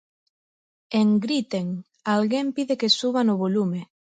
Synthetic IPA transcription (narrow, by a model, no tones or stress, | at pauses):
eŋɡɾit̪eŋ | alɣempiðekesuβanʊβolume